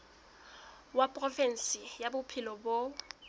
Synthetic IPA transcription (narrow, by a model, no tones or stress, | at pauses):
wapʼrɔfɛn̩sɪjabʊpʰɪlɔbo